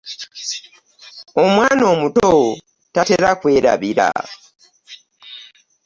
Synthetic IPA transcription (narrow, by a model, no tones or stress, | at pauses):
omwaːno̞ːmuto | tateɾakwe̞ːɾa̰βiɾa̰